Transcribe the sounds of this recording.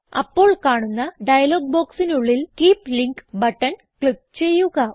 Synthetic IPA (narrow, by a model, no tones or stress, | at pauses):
ɐ̰pːo̞ːɭkaːɳunːɐɖɐjɐlo̞ːɡ̚bo̞ːksinuɭːilkiːpliŋkbɐʈːɐn | kɭip̚t͡ɕe̞jːuɣɐ